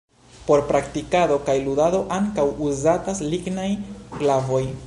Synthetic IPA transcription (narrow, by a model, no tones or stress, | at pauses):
po̞ɾpɾaktikado̞kajludado̞ʔaŋkawuzatasliɡnajklavo̞j